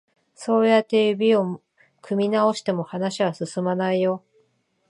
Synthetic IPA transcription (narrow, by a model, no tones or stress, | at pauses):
so̞ːjat̪ːe̞jɯ̟bʲio̞ | kʰɯ̟mʲinao̞ɕi̥t̪e̞mo̞hanaɕiβasɨsɨmanaijo̞